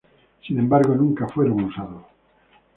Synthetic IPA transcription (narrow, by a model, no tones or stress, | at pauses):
sinẽmbaɾɣonũŋkafweɾoŋusaðo